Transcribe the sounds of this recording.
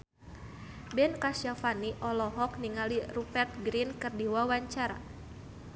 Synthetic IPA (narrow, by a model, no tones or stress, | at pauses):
bɛnkasjafaniʔɔlɔɦɔk̚niŋalirupɛrt̪̚ɡɾinkɨrdiwawaɲt͡ʃaɾa̰